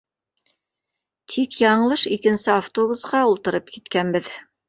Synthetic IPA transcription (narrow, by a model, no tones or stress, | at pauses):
t̪ʰikjɑɴɤ̆lˠɤʃikɘ̆nsɘaft̪oβusqɑulˠt̪ɤ̆ɾɤpkit̪kænbɘð